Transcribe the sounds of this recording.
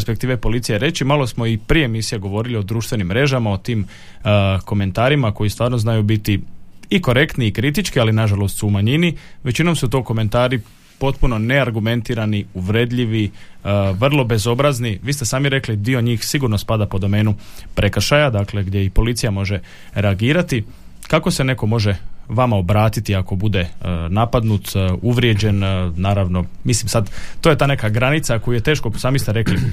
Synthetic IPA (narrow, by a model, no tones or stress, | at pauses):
ɾspe̞k̚t̪iːʋepo̞lit̪sije̞ɾe̞t͡ʃimalo̞smo̞ipɾijeːmisijeɡo̞ʋo̞ɾilio̞d̪ɾuːʃt̪ʋe̞nimːɾe̞ʒamaot̪iːm | ko̞me̞nt̪aːɾimako̞jist̪ʋaːɾno̞znajubit̪iiko̞ɾe̞kt̪niːkɾit̪it͡ʃkialinaʒalˠo̞st̪suːmaɲiniʋe̞t͡ɕino̞msut̪o̞ːko̞me̞nt̪aːɾi | po̞t̪puno̞ne̞aɾɡume̞nt̪iːɾaniuʋɾe̞d̪ʎiʋi | ʋr̩lˠo̞be̞zo̞bɾazniʋiːst̪e̞saːmiɾe̞klid̪io̞ɲiːxsiɡuɾnospad̪apo̞d̪o̞me̞ːnupɾʔe̞kr̩ʃajad̪akle̞ɡd̪je̞ipo̞lit̪sijamo̞ʒe̞ | ɾeaɡiːɾat̪i | kako̞se̞ne̞ko̞mo̞ʒe̞ʋamao̞bɾaːt̪it̪iako̞bud̪e̞napad̪nut̪uʋɾje̞d͡ʑe̞nnaːɾaʋno̞mislimsad̪t̪oje̞t̪aːne̞kaɡɾanit̪sakojuje̞t̪e̞ːʃko̞saːmist̪eɾe̞kli